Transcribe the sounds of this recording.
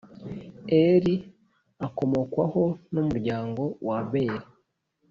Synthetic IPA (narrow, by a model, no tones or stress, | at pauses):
eɾi | ako̞mo̞kwaho̞numuɾɟaːŋɡo̞waβeɾi